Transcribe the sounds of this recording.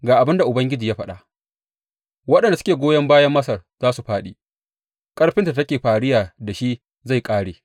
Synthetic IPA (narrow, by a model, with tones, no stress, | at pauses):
ɡaː˨ʔa˨bɪ˦nda˨ʔʊ˨bɐ˦ŋɡʲɪ˦d͡ʒi˨jaː˦ɸɐ˦ɗa̰˨ʔ | wɐ˦ɗɐ˨nda˨sʊ̥˦kʲeː˨ɡʷoː˦jɐ˦mbaː˦jɐ˦mːɐ˦sɐ˨rz̥aː˦su˨ɸaː˦ɗiː˨ | kʼɐ˦ɽɸɪ˦nta˨tɐ˦kʲeː˨ɸaː˨ɽɪ˦jaː˨da˨ʃi˦ | za˦˨jkʼaː˦ɽeː˨